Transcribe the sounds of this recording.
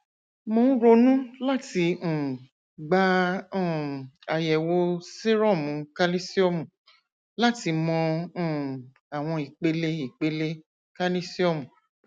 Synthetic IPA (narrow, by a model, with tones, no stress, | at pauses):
mõ˨˦ɾo˧nũ˦la˦tĩ˧˨ | ɡ͡bã˧˦˨ | a˧jɛ˨wo˧se˦ɾɔ˦˨mũ˨˦ka˦li˦si˦ɔ˦mũ˨ | la˦ti˧˦mɔ̃˧˦˨ | a˨w̃ɔ̃˧i˨k͡pe˨˧˦le˧i˨k͡pe˨˦le˧ | ka˦li˦si˦ɔ˦mũ˨